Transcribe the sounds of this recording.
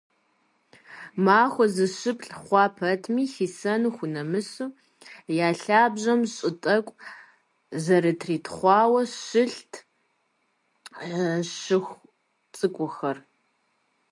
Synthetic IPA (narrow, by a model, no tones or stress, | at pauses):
maːxʷɔzɨʃɨpʼɬʼχʷɑːpʰɐtʰmiːɬiːsɐnuxʷʊnɐmɨsuː | jaːɬaːbʒʑɐmɕʼɪtʼɐkʷʼ | zɐɾɨtʰriːtʰχʷɑːwɐʃɨɬtʰ | ɕɨxʷ | t͡sʼɨkʷʼʊxɐr